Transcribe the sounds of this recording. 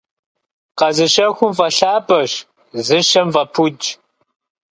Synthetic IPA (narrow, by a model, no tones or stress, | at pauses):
qɐzɨɕɐxʷʊmvɐɬaːbʼɐɕ | zɨʃɐmvɐpʰut͡ʃʼ